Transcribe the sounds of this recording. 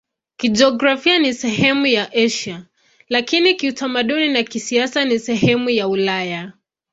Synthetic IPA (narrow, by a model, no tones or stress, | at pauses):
kid͡ʒɔɡɾafianisɛɦɛmujaʔɛʃa | lakinikiutʰamaɗuninakisiasanisɛɦɛmujaulaja